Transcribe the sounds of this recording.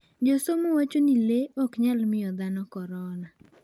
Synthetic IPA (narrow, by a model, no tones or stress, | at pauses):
d͡ʒosomowat͡ʃonileɔkɲalmɪjɔd̪anɔkɔɾɔna